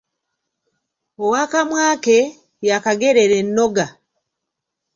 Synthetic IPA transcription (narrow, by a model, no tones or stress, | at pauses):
owakamwaːke | jakaɡeɾeɾenːo̞ɡa